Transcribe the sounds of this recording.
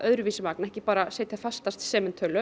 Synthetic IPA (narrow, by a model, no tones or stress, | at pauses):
ʔœðɾʏviːsɪmaːknɛhcɪpaːɾaseːjt̪ɪ̥hafast̪ast̪sɛːmɪnt̪ʰœːlʏ